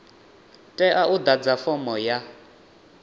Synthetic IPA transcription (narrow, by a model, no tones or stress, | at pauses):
tʼɛʔaud̪ad͡zafɔmɔja